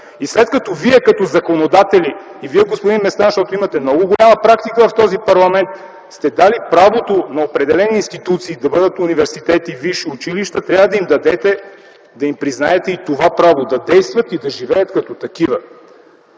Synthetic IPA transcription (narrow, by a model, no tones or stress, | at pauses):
islɛt̪kɐt̪ɔviɛkɐt̪ɔzɐkonod̪at̪ɛliː | viɛɡospʊd̪inmɛst̪anʃt̪ɔt̪oimɐt̪ɛmnɔɡʊɡolʲamɐpɾak̚t̪ikəvɐft̪ɔzipɐɾlˠɐmɛnt̪ | st̪ɛd̪alipɾavot̪onɐopɾɛd̪ɛlɛniːnst̪it̪ut̪siːd̪ɐbɤd̪ət̪ʊnivɛɾsit̪ɛt̪iviʃiʊt͡ʃiliʃt̪ət̪ɾʲjavɐd̪ɐimd̪ɐd̪ɛt̪ɛ | d̪ɐimpɾiznaɛt̪ɛit̪ovapɾavod̪ɐd̪ɛjst̪vɐt̪id̪ɐʒivɛjɐt̪kɐt̪ɔt̪ɐk̟ivə